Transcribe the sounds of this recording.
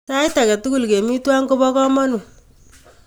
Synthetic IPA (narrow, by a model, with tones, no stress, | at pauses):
ta˦jta˨kɛ˨tu˦ku˨lke˨mi˦twa˦ŋko˦bɔ˦kɔ˦mɔ˦nu˨